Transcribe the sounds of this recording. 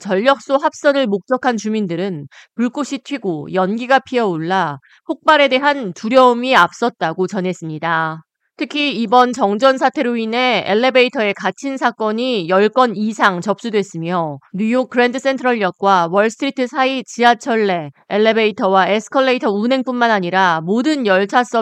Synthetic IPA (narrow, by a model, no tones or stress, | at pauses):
t͡ɕʌʎːʌk̚s͈oɦap̚s͈ʌnɯɭmok̚t͡ɕ͈ʌkʰant͡ɕumindɯɾɯn | puɭk͈oɕʰitʰɥiɡojʌnɡiɡapʰiʌoɭːa | ɸok̚p͈aɾe̞de̞ɦantuɾjʌumiap̚s͈ʌt̚t͈aɡot͡ɕʌnɦe̞s͈ɯmɲida | tʰɯkʰiːbʌnt͡ɕʌŋd͡ʑʌns̬ʰatʰe̞ɾoine̞ḛɭːebe̞itʰʌe̞kat͡ɕʰinsʰak͈ʌɲijʌɭk͈ʌnisʰaŋt͡ɕʌp̚s͈udwe̞s͈ɯmjʌnujok̚k͈ɯɾendɯs͈e̞ntʰɯɾʌɭjʌk̚k͈wawʌɭsʰɯ̥tʰɾitʰɯsʰait͡ɕiat͡ɕʰʌɭːe̞ːɭːebe̞itʰʌwaesʰɯ̥kʰʌɭːeitʰʌunɦe̞ŋp͈unmanaɲiɾamodɯnjʌɭt͡ɕʰas͈ʌ